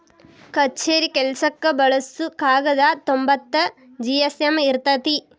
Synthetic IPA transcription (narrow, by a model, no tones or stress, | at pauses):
kɐt͡ʃeːɾikelɐsɐkːɐbɐɭɐsukaːɡɐd̪aːt̪ombɐt̪ːɐ | d͡ʒijɐsjɐmɐiɾt̪ɐt̪i